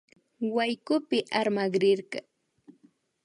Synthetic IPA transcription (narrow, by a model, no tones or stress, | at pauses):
wajkʊpɪʔaɾmaɢɾɪɾɢɑ